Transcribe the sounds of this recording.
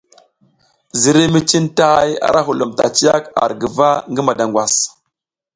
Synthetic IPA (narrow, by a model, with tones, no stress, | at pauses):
zi˨ɾi˦mi˦t͡ʃi˦nta˦ja̰˨ɾa˦ɦu˨lu˨mta̰˨t͡ʃi˦ja˦ka̰˨ɾɡə˨va˦ŋɡi˦ma˨da˨ŋɡʷwa˨s